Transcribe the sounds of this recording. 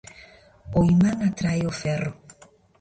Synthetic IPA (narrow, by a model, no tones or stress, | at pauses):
ojmaŋat̪ɾajofɛɾo